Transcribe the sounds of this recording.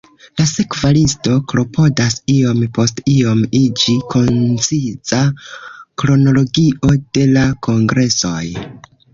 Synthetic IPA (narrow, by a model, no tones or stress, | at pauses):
lase̞kvalisto̞kɾo̞pʰo̞dasio̞mpo̞stio̞mid͡ʒikʰo̞nt͡siza | kɾo̞no̞lo̞ɡio̞d̥e̞lakʰo̞ŋɡɾe̞so̞̰j